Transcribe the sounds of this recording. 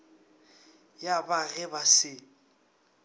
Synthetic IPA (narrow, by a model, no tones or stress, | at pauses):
jabaɣɛbasɪ